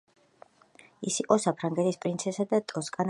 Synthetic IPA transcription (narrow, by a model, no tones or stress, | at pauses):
isiqʼɔsapʰɾaŋɡɛt̪ʰispʼɾint̪sʰɛsad̪at̪ʼɔskʼan